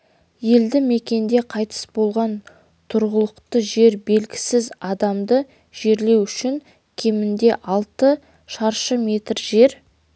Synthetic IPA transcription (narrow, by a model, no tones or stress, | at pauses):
je̞ld̪ɪme̞kʲe̞nd̪e̞qʰɑjt̪ə̥sbo̞lˠʁɑn | t̪ʰʊɾʁəlˠəqt̪əʒe̞ɾbe̞lɡʲɪ̥sɪzɑd̪ɑmd̪ə | ʒ̥e̞ɾle̞wʏʃɪŋ | kʲʰe̞mɪnd̪e̞ʔɑlˠt̪ə | ʃɑɾʃəme̞t̪rʒe̞ɾ